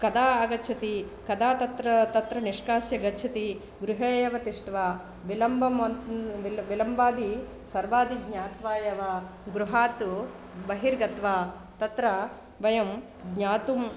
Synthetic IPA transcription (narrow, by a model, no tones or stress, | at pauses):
kɐd̪aːɐɡɐt͡ʃʰɐt̪i | kɐd̪aːt̪ɐt̪ɾɐt̪ɐt̪ɾɐniʂkaːsjɐɡɐt͡ʃʰɐt̪i | ɡɾuɦeːjɐʋɐt̪iʂʈʋaː | ʋilɐmbʱɐmɐ | ʋilɐmbaːd̪i | sɐɾbaːd̪iɡɲaːt̪ʋaːjɐʋaː | ɡɾuɦaːt̪u | bɐɦiɾɡɐt̪ʋaː | t̪ɐt̪ɾɐ | ʋɐjɐm | ɡɲaːt̪um